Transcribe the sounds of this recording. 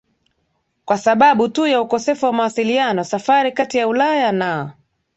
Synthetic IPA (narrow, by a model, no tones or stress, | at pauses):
kwasaɓaɓutujaukɔsɛfuwamawasilianɔsafaɾikatijaulajana